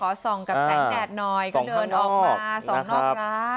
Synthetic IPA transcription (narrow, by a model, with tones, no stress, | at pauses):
kʰɔː˨˩˦sɔ˨˩ŋka˨˩p̚ːɛ˩˦ŋdɛː˨˧˩t̪̚nɔː˧jkːdɤː˧nʔɔː˨˩˧kmaː˧sɔ˨˧˦ŋnɔː˥˦ɾ̚aː˦˥